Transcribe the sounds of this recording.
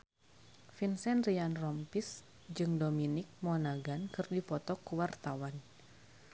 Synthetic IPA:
finsɛnrianrɔmpis | d͡ʒɨŋdominik̚mɔnaɡankɨrdipɔt̪ɔkuwart̪awan

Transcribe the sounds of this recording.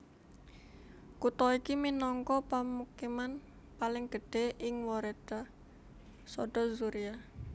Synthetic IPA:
kut̪ɔikiminɔŋkɔpəmukiman | palɪŋɡ̥əɖ̥e̤ɪŋwɔɾed̪̥a | sɔɖ̥ɔzuɾia

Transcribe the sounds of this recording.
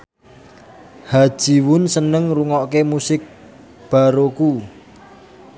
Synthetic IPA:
had̥ʒ̥i̤wʊnsənəŋruŋɔʔkemusɪk̚ | b̥a̤ɾoku

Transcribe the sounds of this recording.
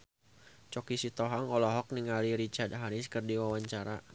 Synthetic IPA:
t͡ʃɔkisit̪ɔɦaŋɔlɔɦɔk̚niŋaliɾit͡ʃard̪ɦaɾɪskərdiwawaɲt͡ʃaɾa

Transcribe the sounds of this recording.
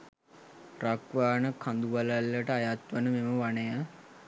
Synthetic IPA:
rakʋaːnəkʰand̪uʋalalːəʈəajat̪ʋənəmeməʋanəja

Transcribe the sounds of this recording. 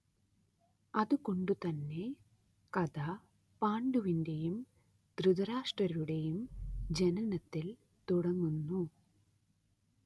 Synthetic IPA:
ɐðuko̞ɳɖut̪ɐnːe̞ | kɐða | paːɳɖuʋinde̞jum | d̪̥ɾuðɐɾaːʂʈrɐɾuɽe̞jumd͡ʑenɐnɐt̪ːil | t̪uɽɐŋːunːu

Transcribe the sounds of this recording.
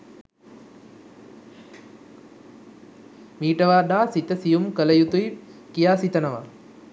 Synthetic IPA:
miːʈəʋaːd̪aːsit̪əsijumkələjut̪ujkijaːsit̪ənəʋa

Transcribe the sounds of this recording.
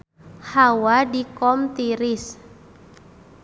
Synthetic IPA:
hawadikɔmt̪iɾɪs

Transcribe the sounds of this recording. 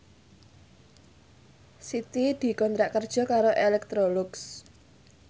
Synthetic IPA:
sit̪id̪̥i̤kɔnt̪ɾaʔkːərd̥ʒ̥ɔ̤kaɾoʔelɛk̚t̪ɾolʊks

